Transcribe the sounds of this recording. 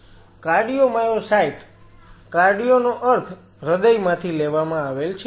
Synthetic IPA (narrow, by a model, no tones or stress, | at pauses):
kaɾɖijomajosaiʈkaɾɖijonoʔəɾt̪ʰ | ɾəd̪əjmãt̪ʰileʋamãaʋelt͡ʃʰe